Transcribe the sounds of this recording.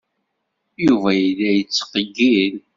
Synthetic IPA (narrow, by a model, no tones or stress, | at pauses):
juvæjilːæjət͡sːə̥qəɡːiɾ